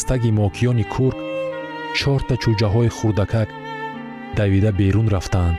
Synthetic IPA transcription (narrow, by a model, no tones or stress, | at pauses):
st̪ʰaɡimɔkʰijɔnikʰuɾk | t͡ʃʰɔɾt̪ʰat͡ʃʰud͡ʒaɦɔiχuɾd̪akʰak | d̪avid̪abe̞ɾunɾaft̪and̪